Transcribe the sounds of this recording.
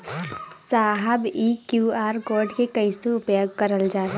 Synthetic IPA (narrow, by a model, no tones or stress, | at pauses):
saːɦəbiːkjuːaːɾɡoːɾɖkekɐisuʊpjoːɡkɐɾəld͡ʒaːɾa